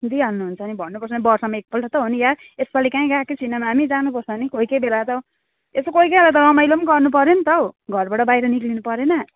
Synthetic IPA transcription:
d̪iɦʌnːuɦunt͡sʰʌnibʱʌnːupʌrsʰʌnibʌrsʌmaek̚pʌlʈʰʌt̪ʌɦunija | espalikaĩɡakisinemaɦamid͡zanupʌrt͡sʰʌnikoikebelatʌ | esokoikeelat̪ʌɾʌmajlomnɡʌrnupʌɾenit̪ʌwɡʱʌrbaʈʌbajɾʌniklinupʌɾenʌ

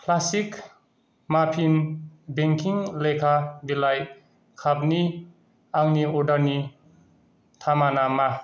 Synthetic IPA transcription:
kʰlasik | mapʰinbeŋkʰiŋlejkʰabilaj | kʰabni | aŋniɔdaɾni | tʰamanama

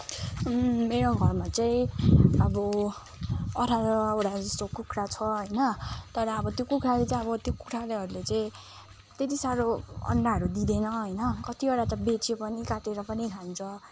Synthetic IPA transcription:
meɾoɡʱʌrmat͡saĩʌbʌ | ʌɾʰaɾʌoɽad͡zʌst̪okukʰɾat͡sʰʌɦʌjnʌt̪ʌɾʌːbʌt̪jokukʰɾalet͡saĩʌbʌt̪jokuʈʰaleɦʌɾulet͡saĩ | t̪et̪isaɾoʌ̰ɳɖaɦʌɾud̪id̪enʌɦʌjnʌkʌt̪ioɾat̪ʌbet͡sepʌnikaʈeɾʌpʌnikʰant͡sʰʌ

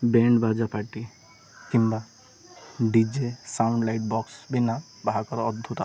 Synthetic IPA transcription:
bɛɳɖbad͡ʒapaɾʈi | kimba | ɖid͡ʒesawɳɖlajʈ̚bɔksbina | bʱakɔɾɔd̪ʱːut̪ɔ

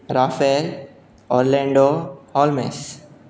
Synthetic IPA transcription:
ɾaːfel | ɔːɾlɛ̃ːɳɖohɔːlmḛːs

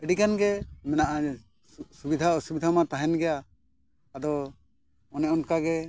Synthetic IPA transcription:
əɖikanɡɛmɛnaʔa | subid̪ʱaɔsubid̪ʱamat̪aɦɛnɡɛjaː | d̪ɔ | ɔnɛʔɔnkaɡɛ

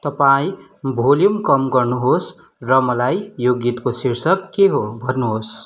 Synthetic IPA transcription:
t̪ʌpaĩ | bʱoljumkʌmɡʌrnuɦos | rʌmʌlajjoɡit̪kosirsʌk̚keɦobʱʌrnuɦos

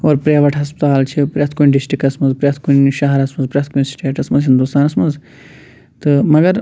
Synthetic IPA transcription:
oːɾpɾeːʋɐʈɦɐspt̪aːlt͡ʃʰipɾʲet̪ʰkunɖisʈɾikɐsmɐnzpɾʲeːt̪ʰkunʃɐɦɐɾɐsmɐnzpɾʲet̪ʰkunʲsʈeːʈɐsmɐnzɦind̪ust̪aːnɐsmɐz | t̪ɨmɐɡɐɾ

